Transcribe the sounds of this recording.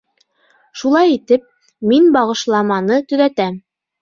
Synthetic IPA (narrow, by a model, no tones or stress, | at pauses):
ʃulˠɑjit̪ɘp̚ | minbɑʁɤ̆ʃlˠɑmɑnɤt̪ɵ̆ðæt̪æm